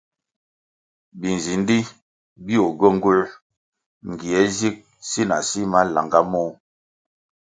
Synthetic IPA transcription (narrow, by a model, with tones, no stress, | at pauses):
bi˨n˨zi˨n˦di˦ | bi˦o˨ɡo˦˨ŋ̩˦ɡu˦l | ŋ̩˨ɡi˨ɛ˨˦zi˦k̚ | si˦na̰˨si˦ma˦la̰˨ŋɡa˦mɔ˦